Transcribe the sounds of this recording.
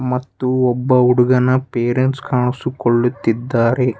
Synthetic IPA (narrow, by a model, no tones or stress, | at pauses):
mɐt̪ːuɔbːɐuɽuɡɐnɐpeːɾeɳʈskaːɳusukoɭːut̪ːid̪ːaːɾe̞